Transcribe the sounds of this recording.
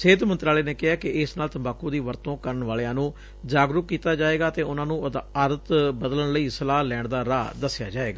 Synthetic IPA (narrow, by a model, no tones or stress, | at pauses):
seːd̪mə̃nt̪ɾaːleːneːkɪɦaːkɪɪsnaːlt̪əmbaːkːũːd̪iːʋəɾt̪õːkəɾəɳʋaːlejãːnũː | d͡ʒaːɡɾʊkːiːt̪aːd͡ʒaːeːɡaːt̪eːʊnãːnũːd̪aɾət̪bəd̪ələɳləiːsəlaːlɛːɳd̪aːɾaːd̪əsːɪja̰ːd͡ʒaːeːɡaː